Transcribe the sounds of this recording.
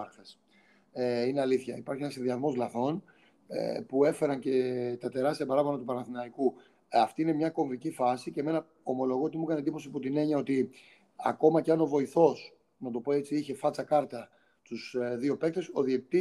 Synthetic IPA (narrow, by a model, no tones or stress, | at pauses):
ɾθes | ineɐliθçɐipɐɾçienɐsinðiɐzmo̞zlɐθo̞n̰ | pue̞fe̞ɾɐnce̞t̪ɐt̪e̞ɾɐst̪iɐpɐɾɐvonɐt̪upɐnɐnθinɐɾiku | ɐft̪iinemɲɐko̞ɱvicifɐsiceme̞nɐ | o̞mo̞lo̞ɣoot̪imukɐnend̪ipo̞siput̪ine̞ɲɐo̞t̪i | ɐ̰ko̞mɐceɐno̞vo̞iθo̞s | nɐt̪o̞po̞e̞t͡siiçe̞fɐt͡sɐkɐɾt̪ɐ | st̪usðio̞pe̞k̚t̪e̞so̞ðiekit̪i